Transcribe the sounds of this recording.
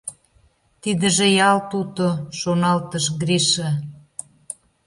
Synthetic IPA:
t̪id̪ə̆ʒejɑlt̪ut̪oʃonɑlt̪əʃɡɾiʃə

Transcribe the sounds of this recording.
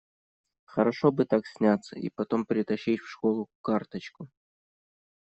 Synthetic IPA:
xəɾɐʂobɨt̪aksʲnʲat̪sə̰ʔḭpɐt̪o̞mpɾʲɪt̪ɐɕːitʲfʂkolˠʊkart̪ət͡ɕkʊ

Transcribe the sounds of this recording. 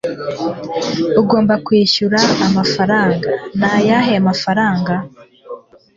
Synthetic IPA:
uɡo̞ːmbakwiːçuɾaːmafaɾaːŋɡanajaɦeamafaɾaːŋɡa

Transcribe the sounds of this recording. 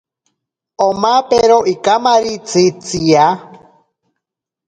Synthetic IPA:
omapeɾoʔikamaɾit͡sʰit͡sia

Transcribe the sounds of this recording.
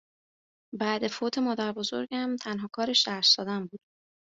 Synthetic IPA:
bæd̪e̞foːt̪ʰe̞mɒːd̪æɾbo̞zo̞̰ɾɟæmt̪ʰænɦɒːkʰɒːɾeʃd̪æʃd̪ɒːd̪æmbuːd̪̥

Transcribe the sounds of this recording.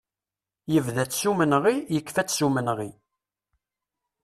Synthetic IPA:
jəvðæt͡sːsumənʁijəkːfæt͡sːsumənʁi

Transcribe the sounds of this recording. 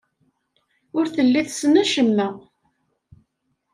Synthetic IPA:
ʊɾθəlːiθsnæʃəmːə

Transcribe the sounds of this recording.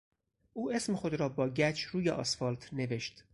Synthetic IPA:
ʔuːʔe̞smexo̞d̪ɾɒːbɒːɟæt͡ʃʰɾuːjḛʔɒ̰sfɒlt̪ʰne̞ve̞ʃt̪

